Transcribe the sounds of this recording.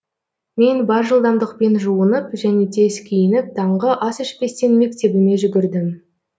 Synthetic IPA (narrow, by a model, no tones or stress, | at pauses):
me̞nbɑɾʒəlˠd̪ɑmd̪əq̚pe̞nʒuənəpʒæne̞d̪ʰe̞skʲʰejɪnɪk̚t̪ʰɑɴʁəʔɑsɪʃbe̞st̪enme̞k̚t̪e̞bɪne̞ʒʏɡʲɪɾd̪ɪm